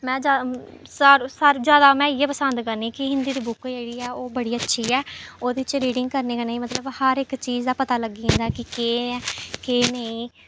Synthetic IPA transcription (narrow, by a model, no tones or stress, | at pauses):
mɛ̃ːd͡ʒa | saɾsəɾzjaːd̪aːmɛ̃ːɪːeːpəsə̃nd̪kənĩːkɪɦɪ̃nd̪iːd̪iːbʊkd͡ʒeːɽiːɛːoːbəɽiːətːʃʰiːɛːoːd̪eːɪt͡ʃɾiːɖɪŋɡ̚kəɾneːkanaĩːmət̪ləbhəɾɪkt͡ʃiːzd̪aːpət̪aːləɡĩːnd̪aɛːkɪkeːkeːnəĩː